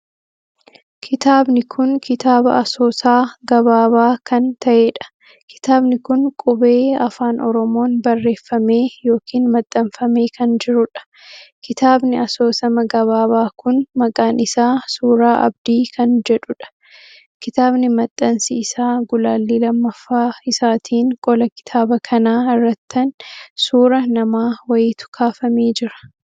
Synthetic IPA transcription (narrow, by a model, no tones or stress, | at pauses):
kʰɪt̪aːbnɪkʰʊnkɪt̪aːbɐʔɐso̞ːsaːɡɐbaːβaːkɐnt̪ɐʔe̞ːᶑɐ̥ | kʰɪ̥t̪aːbnɪkʊnkʼʊbe̞ːɐfaːnʔɔɾɔmo̞ːnbɐrːe̞ːfːɐme̞ːjo̞ːkʰiːnmɐt̪ʼːɐmfɐme̞ːkʰɐnd͡ʒɪɾʊᶑɐ̥ | kɪt̪aːbnɪɐso̞ːsɐmɐɡɐβaːβaːkʊnmɐkʼaːnɪsaːsuːɾaːʔɐ̰bd̪iːkʰɐnd͡ʒɛᶑʊᶑɐ̥ | kɪt̪aːbnɪmɐt̪ʼːɐnsɪːsaːɡʊlaːlːiːlɐmːɐfːaːɪsaːt̪ʰiːŋkʼɔlɐkɪ̥t̪ʰaːbɐkʰɐnaːɪrːɐt̪ːɐnsuːɾɐnɐmaːwɐjɪt̪ʊ̥kʰaːfɐmeːd͡ʒɪɾɐ̥